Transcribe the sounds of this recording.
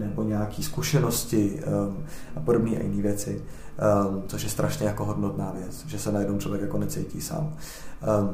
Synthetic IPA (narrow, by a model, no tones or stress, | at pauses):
nɛbo̞ɲɛjakiːskuʃɛnoscɪ | ʔapo̞dobɲiːʔa̰jɪniːvjɛt͡sɪ | t͡so̞ʃjɛst̪ɾʔaʃɲɛjako̞ɦodnot̪naːvjɛt͡sʒɛsɛnajɛdnowt͡ʃlo̞vjɛkjakonɛt͡sɛjcḭːsa̰ːm